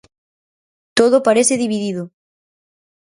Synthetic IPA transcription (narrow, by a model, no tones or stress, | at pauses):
t̪oðopaɾeθɪðiβiðiðʊ